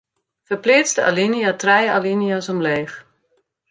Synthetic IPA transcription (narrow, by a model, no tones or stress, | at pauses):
fəplɪːt͡stəa̰linijatrɛjalinijasɔmleːx